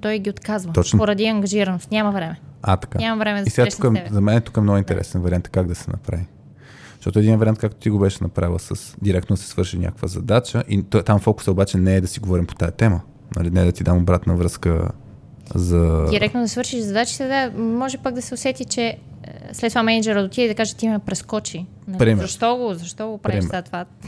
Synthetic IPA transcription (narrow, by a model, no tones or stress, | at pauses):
t̪ɔjɡʲiot̪kazvət̪ɔt͡ʃnopoɾɐd̪iɐŋɡɐʒiɾɐnost̪nʲamɐvɾɛmɛat̪ɐ̥kanamɐvɾɛmɛd̪ɐisɛɡaukɛɛzɐmɛnɛt̪u̥kəɛmnɔɡʊint̪ɛ̰ɾɛ̰sɛnvɐɾiant̪kaɡd̪ɐsɛnɐ̰pɾa̰vi | ʒ̥ʃt̪ɔt̪oɛd̪invɐɾʲiant̪kakt̪o̥t̪iɡobɛʃɛnɐpɾavilˠsəsd̪iɾɛkt̪od̪ɐsɛ̥svɤɾʃiʃnʲa̰kəkvəzɐd̪at͡ʃəʔit̪amfɔkʊ̥səobat͡ʃɛnɛːd̪ɐsiɡovɔɾimpo̥t̪ajɐt̪ɛmə | nɐ̰linɛːd̪ɐt̪id̪amobɾat̪nəvɾɤskə̰ | zɐdiɾɛk̚t̪nod̪ɐsvɤɾʃiʃzɐd̪at͡ʃi̥t̪ɛd̪amɔʒɛpaɡd̪ɐsɛosɛt̪it͡ʃɛslɛt̪ːovamɛnəd͡ʒɛɾəd̪ot̪ʲiɛid̪ɐkaʒɛt̪imɐmɛpɾɛskɔt͡ʃi | npɾimɛzɐʃt̪ɔɡozɐʃt̪ɔɡopɾaɾimɛzat̪va